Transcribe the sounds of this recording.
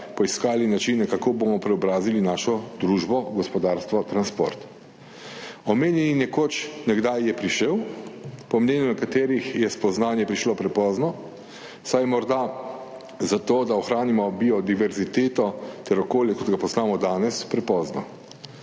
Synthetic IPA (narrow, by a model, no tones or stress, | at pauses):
pɔiskaːlinat͡ʃinɛkakoːbomɔpɾɛɔbɾaːzilinaːʃɔd̪ɾuːʒbɔɡɔspɔd̪aːɾst̪ʋɔt̪ɾanspo̰ɾt̪ | ɔmeːnjɛninɛkot͡ʃnɛɡd̪ajːɛpɾiʃəwpɔmneːnjunɛkat̪eːɾixjɛspɔznaːnjɛpɾiʃlopɾɛpɔːznɔ | sajmɔɾd̪a | zat̪oːd̪aɔxɾaːnimɔbiɔd̪iʋɛɾzit̪eːt̪ɔt̪ɛɾɔkoːljɛkɔt̪ɡapɔznaːmɔd̪aːnɛspɾɛpɔːznɔ